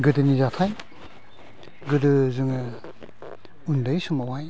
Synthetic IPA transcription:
ɡɯdɯnizat̪ʰaj | ɡɯdɯzuŋɯ | undajsumawaj

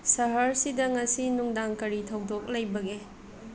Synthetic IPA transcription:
sɐɦɐɾsidɐŋɐsinuŋdaŋkɐɾitʰɐwdok̚lɐjbɐɡe

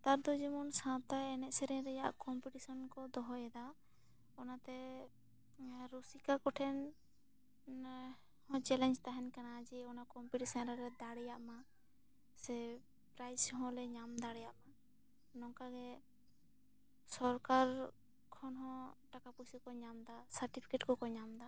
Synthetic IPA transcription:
t̪aɾd̪ɔd͡ʒɛmɔnsãt̪aɛnɛʔ̪sɛɾɛ̃ɾɛjaʔkɔmpiʈisɔnkɔd̪ɔɦɔjɛd̪a | ɔnat̪ɛ | ɾusikakɔʈʰɛn | hɔ̃t͡ʃɛlɛnd͡ʒt̪aɦɛnkanad͡ʒɛɔnakɔmpiʈisɔnɾaɾɛd̪aɽɛjaʔma | sɛ | pɾajsɦɔ̃lɛɲamd̪aɽɛjaʔma | nɔŋkaɡɛ | sɔɾkaɾ | kʰɔnɦɔ̃ʈakapusikɔɲamd̪asaɾʈipʰi̥keʈkɔkɔɲamd̪a

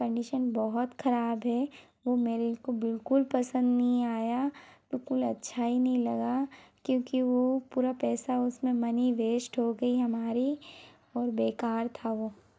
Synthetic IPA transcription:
kɐ̃ɳɖiʃənbɐɦɔt̪xʰɐɾaːbɦɛ | ʋomeːɾekobɪlkʊlpɐsə̃nd̪nɐɦĩaːjab̥ɪlkʊlɐtːʃʰaɦinɐɦĩlɐɡakjõːkiʋopuːɾapɛːsaʊsmẽmɐniʋeːʃʈɦoɡɐiɦɐmaːɾi | ɔːɾbeːkaːɾt̪ʰaʋoː

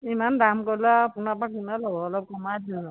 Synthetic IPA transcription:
imandamkɔɹlaːpunapakinalɔbɔːlɔb̚kɔmadu

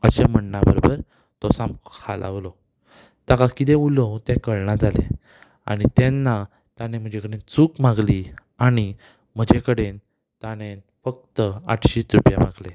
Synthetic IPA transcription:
əɕem̤əɳnabəɾobəɾ | t̪ɔsamkʰalʔa̰ʋlɔ | t̪akakit̪̬eulɔt̪ẽkəɭɳad͡zalḛ̃ | a̰ɽ̃it̪ɛnːa | t̪añẽm̤əd͡ʑekəɽẽnt͡suːkmaɡli | aɽ̃i | m̤əd͡ʑekəɽen | t̪ane | fək̚t̪əa̰ʈʰɕiːt̪ɾupja̰maɡle

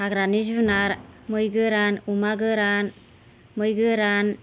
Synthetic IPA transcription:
aɡɾanizunaɾmɯjɡɯɾanumaɡɯɾan | mɯjɡɯɾan

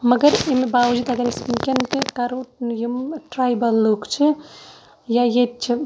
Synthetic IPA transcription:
məɡəɾemebaʋd͡ʒit̪ɐɡəɾespikenkekaɾojumʈɾajbəlːukt͡ʃʰi | jajet͡ʃʰi

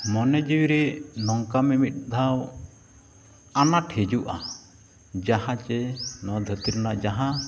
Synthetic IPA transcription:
mɔnɛd͡ʒiwiɾɛnɔŋkamimit̪̚ˀd̪ʱaw | anaʈʰhed͡ʒuʔa | d͡ʒahãt͡ʃɛnɔd̪ʱət̪iɾnaʔd͡ʒaɦã

